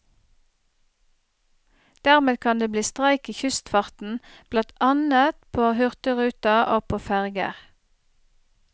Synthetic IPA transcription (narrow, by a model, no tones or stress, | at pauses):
d̪̥æʁmeːd̪kʰɑnd̪eːbliːst̪ʁæɪkiːçʉst̪fɑʁt̪n̩b̥lɑnt̪ɑnət̪pʰoːhʉʁt̪əʁʉːt̪ɑoːpʰoːfæʁɡə̰ʁ